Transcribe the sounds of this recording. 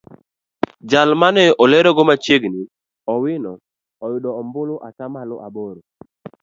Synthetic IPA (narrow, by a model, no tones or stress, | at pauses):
d͡ʒalmanɛʔɔlɛɾɔɡɔmat͡ʃeɡnɪ | ɔwɪnɔ | ɔjʊdɔːmbʊlʊʔakamalɔʔaboɾo